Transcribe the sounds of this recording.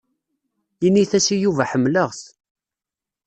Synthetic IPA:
iniθæsijuvæħəmːləʁθ

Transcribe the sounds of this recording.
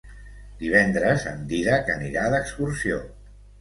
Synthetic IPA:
d̪iβ̞ɛnd̪ɾəzənd̪iðəkəniɾaðəkskursio

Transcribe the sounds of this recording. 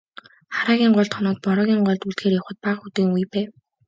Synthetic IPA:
χaɾaːɣʲiːɴɢɔɮt̪χɔnɔːt̪̚pɔɾɔːɣʲiːɴɢɔɮt̪uɮxeːrjɔwχə̆t̪̚paqxut̪eːŋujpæː

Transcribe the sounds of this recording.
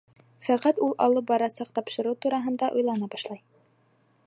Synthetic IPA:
fæqæt̪ulˠʔɑ̰lˠɤp̚bɑɾɑsɑq̚t̪ɑpʃɤ̆ɾɤwt̪uɾɑɦɤ̆nd̪ɑʔujlˠɑnɑbɑʃlˠɑj

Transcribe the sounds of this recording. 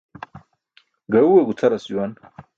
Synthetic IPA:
ɡɐuweɡut͡s̪ʰɐɾɐsuwan

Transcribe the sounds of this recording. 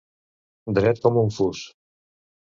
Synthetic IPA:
d̪ɾɛt̪̚kɔmuɱfus

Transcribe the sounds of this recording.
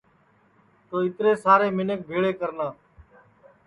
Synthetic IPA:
t̪oːɪt̪ɾeːsaːɾeːmɪnək̚bʱeːɭeːkəɾnaː

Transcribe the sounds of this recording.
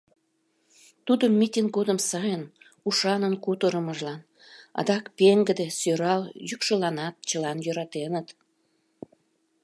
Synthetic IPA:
t̪ud̪əmːit̪ʲiŋ̚ɡod̪əmsɑjən | uʃɑnənkut̪əɾəməʒlɑn | ɑ̰d̪ɑkpeŋɡəd̪esøɾɑljykʃəlɑnɑt̪̚t͡ɕəlɑnjøɾɑt̪enət̪

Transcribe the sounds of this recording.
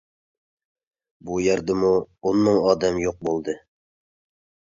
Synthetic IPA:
bujæɾd̪ɪmuonmɨŋɑːd̪ɛmjoq̚bolˠd̪ɨ

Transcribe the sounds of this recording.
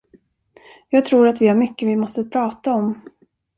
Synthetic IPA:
jɑːɡ̚t̪ʰɾuːɾat̪vɪhaɾmʏkːəvɪmɔst̪əpʰɾɑːt̪aɔm

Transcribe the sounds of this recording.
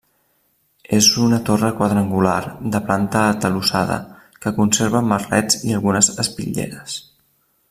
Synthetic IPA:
ezunət̪orəkwəðɾaŋɡula̰rd̪əplant̪əːt̪əlusaðə̰ | kəkunseɾβəmːərɛ̰t͡siəlˠɣunəzəspḭʎḛɾəs

